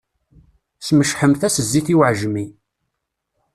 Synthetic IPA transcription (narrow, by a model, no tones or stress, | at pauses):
sməʃħəmθæsəzːiθiwʕʒmi